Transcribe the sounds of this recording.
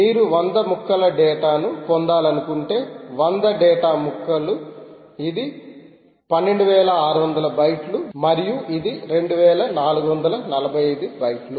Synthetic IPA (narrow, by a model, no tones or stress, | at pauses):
miːɾuʋɐnd̪ɐmukːɐlɐɖɛːʈaːnupond̪aːlɐnukuɳʈe̞ːʋɐnd̪ɐɖɛːʈaːmukːɐlu | id̪i | pɐnːe̞ɳɖuʋɛːlɐaːɾuʋɐnd̪ɐlɐbɐjʈlumɐɾijuʔid̪iɾe̞ɳɖuʋɛːlɐnaːluɡuʋɐnd̪ɐlɐnɐlɐbʱɐjɐjd̪ubɐjʈlu